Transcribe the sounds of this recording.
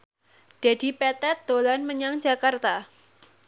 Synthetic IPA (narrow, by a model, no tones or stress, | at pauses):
d̥ed̥i̤pɛt̪ɛt̪̚d̪̥olanməɲaŋd͡ʒa̤kart̪a